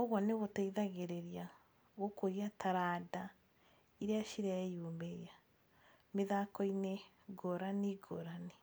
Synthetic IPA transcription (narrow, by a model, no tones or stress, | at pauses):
ɔɣwɔneɣɔtaiðaɣeɾeɾia | ɣokoɾiataɾada | iɾeaʃiɾaɛjombeja | meðakɔine | ɡɔɾaniɡɔɾane